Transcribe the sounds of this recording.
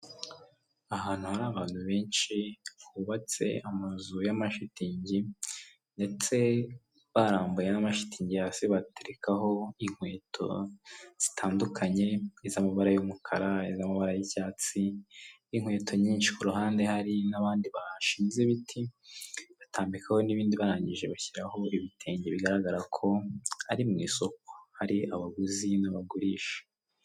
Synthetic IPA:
ahaːn̥huhaɾaːβaːn̥huβe̞ːnʃikuβat͡se̞̰amazujamaʃitiːɲɟi | nde̞t͡se̞ | βaɾaːmbujenamaʃi̥tʰiːɲɟijaːsiβateɾekaɦo̞iŋ̥we̞ːtʰo̞̰z̥i̥tʰaːndukʰaɲe̞izamaβaɾajumukʰaɾaizamaβaɾajicaːt͡si | iŋwe̞ːtʰo̞ɲiːnʃi̥kuɾuɦaːnde̞haɾinaβaːndiβaʃiːmzeβitʰi | βatʰaːmbikʰaho̞niβiːndiβaɾaːɲɟiʒe̞βaçiɾaho̞iβitʰe̞ːɲɟeβiɡaɾaɡaɾakʰo̞aɾimŋiːso̞k̚o̥haɾiʔaβaɡuzinaβaɡuɾiːʃe̥

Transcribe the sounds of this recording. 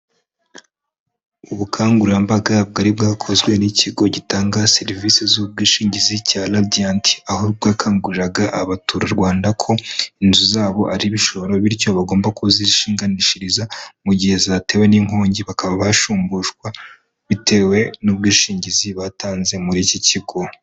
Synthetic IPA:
uβukʰaːŋɡuɾambaɡab̚ɡaɾibɡaːkʰo̞zɡwe̞nicʰiɡo̞ɟitaːŋɡaseɾivisizub̚ɡiːʃiːɲɟizicaladiantʰi̥ahoubɡaːkʰaːŋɡuɾɾaɡaʔaβatuɾaɾɡwaːndakʰo̞inzuzaːβo̞ʔaɾiβiʃoβɾo̞βiɾco̞βaɡo̞ːmbakʰuziʃiːŋɡaniʃiɾizamuɟihe̞zate̞we̞niŋoːɲɟiβakaβaβaʃuːmbuʃɡwa | βitʰe̞ːwe̞nub̚ɡiːʃiːɲɟiziβataːnze̞muɾiciciɡo̞

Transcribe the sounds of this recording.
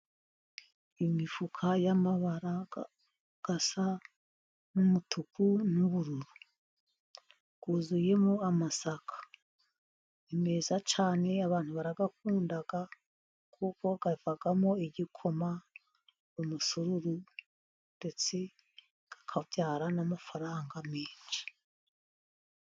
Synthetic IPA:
imifukʰajamaβaɾa | ɡ̥asa | numutʰukʰunuβuɾuɾu | ɡ̥uzuje̞moamasakʰḁ | ime̞zat͡ʃaːne̞aβaːn̥huβaɾaɡak̚uːndaɡa | kʰukwo̞ɡ̥avaɡamo̞iɟikʰo̞ma | umusuɾuɾu | nde̞t͡se̞ | ɡ̥ḁkʰavjaːɾanamafaɾaːŋɡameːnt͡ʃi̥

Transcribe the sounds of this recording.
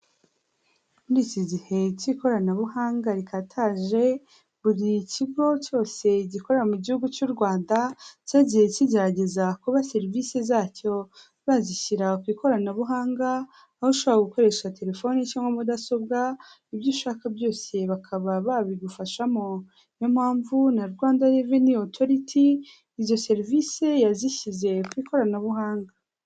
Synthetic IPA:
muɾiːciɟihe̞ciko̞ɾanaβuɦaːŋɡaɾikatʰaːʒe̞ | βuɾiciɡo̞co̞ːse̞ɟiko̞ɾeɾamuɟihuɡut͡ʃuːɾɡwaːndacaɟihe̞ciɟe̞ɾaɟe̞zakuβase̞ɾivisezaːco̞ | βaziçiɾakwiːko̞ɾanaβuɦaːŋɡaː | hoʃoβoɾaɡuko̞ɾe̞ʃate̞ɾe̞fo̞nicaːŋɡomudaso̞bɡa | ibjiːʃaːkabjo̞ːse̞βakʰaβaβaβiɡufaʃamo̞ | nomhaːɱvunaɾɡwaːndajeveniotʰo̞ɾitʰiː | zo̞se̞ɾvise̞jaziçize̞kwiːkʰo̞ɾanaβuɦaːŋɡa

